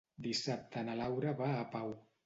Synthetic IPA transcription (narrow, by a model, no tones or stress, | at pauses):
d̪isap̚t̪ʰənalawɾəβaːpaw